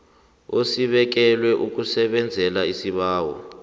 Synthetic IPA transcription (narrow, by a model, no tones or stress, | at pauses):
osiɓɛk̬ɛlwɛʔuk̬usɛɓɛnd͡zʱɛlaisiɓaːwɔ̰